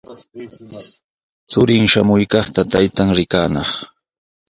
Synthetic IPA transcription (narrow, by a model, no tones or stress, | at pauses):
t͡sʊɾɪŋʃamʊjkɑχt̪at̪ajt̪aŋɾɪkaːnɑχ